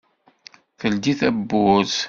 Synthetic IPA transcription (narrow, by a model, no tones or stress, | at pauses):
θəld̪iθæbːʊz